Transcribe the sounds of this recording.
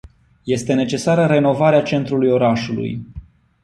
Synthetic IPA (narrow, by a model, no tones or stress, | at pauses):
je̞st̪e̞ne̞t͡ʃe̞saɾəɾe̞no̞vaɾeat͡ʃe̞nt̪ɾulujo̞ɾaʃulṵj